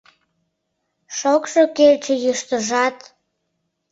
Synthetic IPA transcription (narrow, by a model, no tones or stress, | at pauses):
ʃokʃokelt͡ɕĕjəʃt̪əʒɑt̪